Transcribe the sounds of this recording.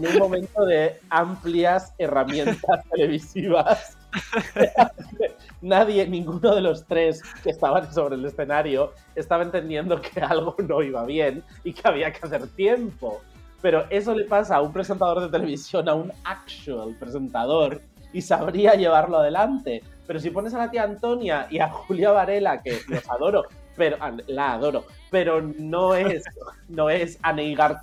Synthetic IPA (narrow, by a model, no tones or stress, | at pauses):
enũmmõ̞mẽ̞nt̪o̞ðe̞ampliase̞ramjẽ̞nt̪ast̪e̞le̞β̞isiβas | ake | naðje̞nĩŋɡuno̞ð̞e̞lo̞st̪ɾe̞skest̪aβanso̞βɾe̞ːle̞sθe̞naɾjo̞ | e̞st̪aβaent̪e̞nd̪je̞nd̪o̞kʰealɣ̞o̞no̞iβaβ̞je̞n | ikeaβ̞iakeaθe̞ɾt̪je̞mpo̞ | pe̞ɾo̞ʔe̞s̬o̞le̞pas̬aːumpɾese̞nt̪að̞o̞ɾðe̞t̪e̞le̞βisjo̞naunakʃuelpɾe̞se̞nt̪að̞o̞ɾ | isaβ̞ɾiaʝe̞β̞aɾlo̞að̞e̞lant̪e̞ | pe̞ɾosipo̞ne̞s̬alat̪iaːnt̪o̞njaʔiaxuljaβaɾe̞lake̞no̞saðo̞ɾo̞ | pe̞ɾoʔalaːðo̞ɾo̞ | pe̞ɾo̞no̞esno̞e̞sanejɣaɾ